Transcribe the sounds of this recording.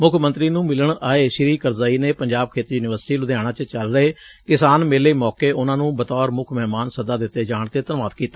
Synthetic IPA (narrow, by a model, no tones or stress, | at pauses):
mʊkʰmə̃nt̪ɾiːnũːmɪləɳaːeːʃɪɾiːkəɾzaːiːneːpəɲd͡ʒaːb̚kʰeːt̪ijuːnɪʋəɾsʈiːlʊd̪jaːɽ̃aːt͡ʃət͡ʃəlɾəeː | kɪsaːnmeːleːmɔːkeːʔʊnãːnũːbət̪ɔːɾmʊkʰmɛːmaːnsəd̪aːd̪ɪt̪ːeːd͡ʒaːɳt̪eːt̪ənʋaːt̪kiːt̪ḁː